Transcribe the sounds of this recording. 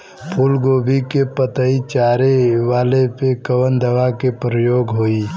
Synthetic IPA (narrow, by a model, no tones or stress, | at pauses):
pʰulɡoːbʱikepət̪əit͡ʃaːɾeʋaːlepekəʋənd̪əʋakepɾəjoːɡɦoːi